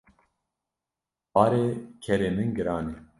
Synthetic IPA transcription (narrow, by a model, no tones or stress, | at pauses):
bɑːɾeːkʰɛɾeːmɨnɡɨɾaːne